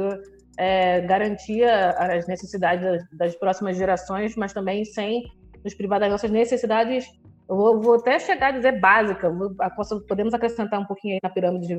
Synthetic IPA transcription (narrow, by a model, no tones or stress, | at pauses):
ɛɡaɾɐ̃nt͡ʃiɐɐːznesesid̪ad͡ʒɪzɐd̪ɐspɾɔsimɐzʒeɾasõj̃smɐʃt̪ɐ̃mbẽj̃sẽj̃ | nʊʃpɾivad̪aɔ̃sɐznesesid̪ad͡ʒɪs | ewvovoat̪ɛʃeɡad͡ʒizeɾbazikɐvoakõspod̪ẽmʊzakɾesẽnt̪aɾũpokĩɲʊainɐpiɾɐ̃mid͡ʒɪd͡ʒiv